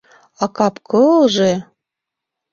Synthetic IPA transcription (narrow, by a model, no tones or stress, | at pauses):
ɑkɑpkʰɤlʒe